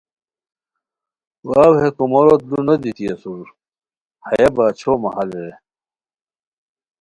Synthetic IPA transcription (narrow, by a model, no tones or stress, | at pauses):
wawɦekumoɾot̪lunɐd̪it̪iɐsuɾ | hɐjebaːt͡ɕʰomɐhɐlɾe